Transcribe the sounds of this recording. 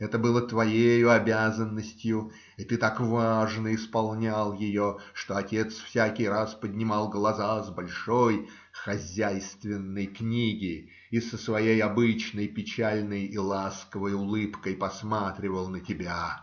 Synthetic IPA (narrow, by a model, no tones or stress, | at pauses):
ɛt̪əbɨlˠət̪vɐjejʊɐbʲæzənːəsʲtʲjʊ | it̪ɨt̪akvaʐnəɪspɐlˠnʲalˠjɪjo̞ʂt̪oɐtʲe̞t̪sfsʲækʲɪjraspədʲnʲɪmɑlˠɡlˠɐzazbɐlʲʂo̞j | xɐzʲæjst̪vʲɪnːəjknʲiɡʲɪ | isəsvɐjejɐbɨt͡ɕnəjpʲɪt͡ɕælʲnəjilˠaskəvəjʊlˠɨpkəjpɐsmat̪ɾʲɪvəlˠnətʲɪbʲa